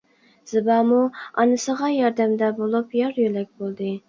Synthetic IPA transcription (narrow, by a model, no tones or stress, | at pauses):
z̥ɨbɑmuɑnɨsəʁɑjɑɾd̪æmd̪ɛbolˠupjɑɾjølɛk̚ʲbolˠd̪ɨ